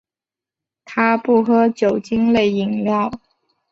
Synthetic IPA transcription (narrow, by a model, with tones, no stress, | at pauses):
t̪ʰa˥pu˥˩xɤ˥t͡ɕjo˨˩ʊt͡ɕi˥ŋle˥˩ɪi˨˩ŋljɑ˥˩ʊ